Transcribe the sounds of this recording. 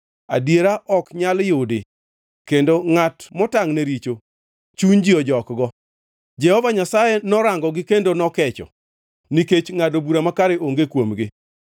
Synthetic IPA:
a̰djeɾaʔɔkɲaljʊdɪ | kendoŋatmɔtaŋneɾit͡ʃo | t͡ʃund͡ʒiɔd͡ʒɔkɡɔ | d͡ʒɛhɔvaɲasajɛnɔɾaŋɡɔɡɪkendonɔkɛt͡ʃɔ̰ | niket͡ʃŋadobuɾamakaɾeoŋɡekwomɡɪ

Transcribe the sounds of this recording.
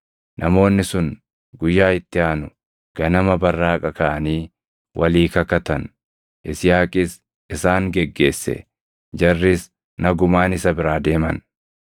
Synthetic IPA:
nʔɐmo̞ːnːɪsʊn | ɡʊjːaːɪt̪ːɪaːnʊ | ɡ̥ɐnɐmɐbɐrːaːkʼɐkɐʔɐniː | wʔɐliːkɐkɐt̪ɐn | ʔɪsɪjaːkʼɪs | ɪsaːŋɡɛɡːe̞ːsːɛ̰ | d͡ʒɐrːɪs | nɐɡʊmaːnɪsɐbɪɾaːd̪e̞ːmɐ̰n

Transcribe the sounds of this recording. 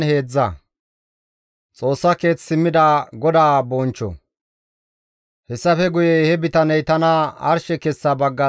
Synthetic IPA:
he̞ːd͡zːɐ̰ | t͡sʼo̞ːsːɐke̞ːt͡ssɪmːɪd̪aːɡɔd̪aːbɔːnt͡ʃːɔ̰ | hɛsːɐfɛɡʊjɛhɛbɪt̪ɐnɛjt̪ɐnɐɐ̰ɾʃɛkɛsːabɐɡːɐ

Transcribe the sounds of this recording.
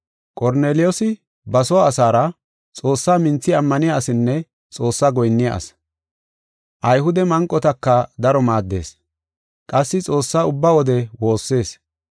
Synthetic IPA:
kʼɔɾne̞ːlɪjɔsɪ | bɐsɔwaːsaːɾɐ | t͡sʼo̞ːsːaːmɪnt͡sːɪɐmːɐnɪjaːsɪnːɛ | t͡sʼo̞ːsːaːɡɔjnːɪja̰ʔɐ̰s | ʔɐjɦʊd̪ɛmɐŋkʼːɔt̪ɐkːɐd̪ɐɾɔmaːd̪ːe̞̰ːs | kʼɐsːɪt͡sʼo̞ːsːaːʊbːaːwɔd̪ɛwo̞ːsːe̞ːs

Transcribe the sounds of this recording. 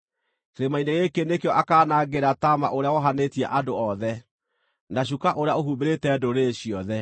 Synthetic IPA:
keɾemaineɣekenekeɔʔakaːnaɡeɾatama̰ʔoɾeawɔɦanetiɛʔadoɔðɛ | naɕ̬ukaʔoɾeaoɦubeɾetɛːdoɾeɕiɔðɛ

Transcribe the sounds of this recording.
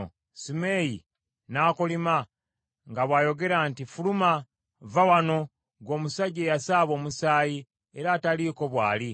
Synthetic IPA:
simeːjḭ | naːkolima | ŋɡaβwaːjo̞ɡe̞ɾaːntifuluma | vawano̞ | ɡwo̞ːmusaɟeːjasaːβo̞ːmusaːji | e̞ɾaːtaliːko̞βwaːli

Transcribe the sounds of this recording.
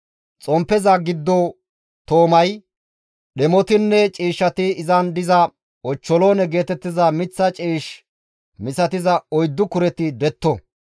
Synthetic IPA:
t͡sʼɔmpːɛzɐɡɪd̪ːɔ | t̪oːmɐj | ɗɛmɔt̪ɪnːɛt͡ʃʼiːʃːɐt̪ɪɪzɐnd̪ɪzɐ | ɔt͡ʃːɔloːnɛɡe̞ːt̪ɛt̪ːɪzɐmɪt͡sːɐt͡ʃʼiːʃ | mɪsɐt̪ɪzɐɔjd̪ːʊkʊɾɛt̪ɪd̪ɛt̪ːɔ

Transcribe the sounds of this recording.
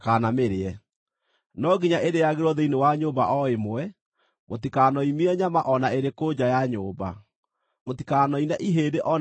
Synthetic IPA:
kanameɾeɛ | nɔɡiɲaʔedejaɣeɾɔðeinewaɲoːmbaʔɔemoɛ | motikanɔimiɛɲamaʔɔnaeɾekod͡ʑajaɲoːba̰ | motikanɔinaʔiɦeːdeʔɔ

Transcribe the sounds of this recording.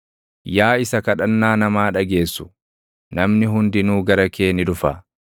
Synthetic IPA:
jaːɪsɐkɐᶑɐnːaːnɐmaːᶑɐɡe̞ːsːʊ̥ | nɐmnɪɦʊnd̪ɪnuːɡɐɾɐke̞ːnɪᶑʊfa̰ː

